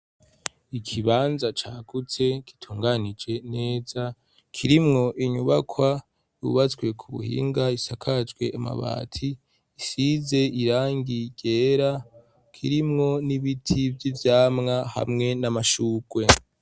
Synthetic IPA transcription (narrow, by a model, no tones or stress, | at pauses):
ikʰiβaːnzat͡ʃaːɡ̥ut͡se̞ki̥tʰuːŋɡanid͡ʒe̞ne̞ːza | kʰiɾimŋo̞ʔiɲuβakʰwa | jṵβat͡sɡwe̞kʰuβṵhḭːŋɡaisakʰad͡ʒɡwe̞̰ama̰βa̰ːtʰiː | size̞ʔiɾaːŋɡiɟ̥e̞ːɾa | kʰiɾimŋo̞niβitʰivjivjaːmŋaha̰mŋe̞namaʃuːɡ̥we̞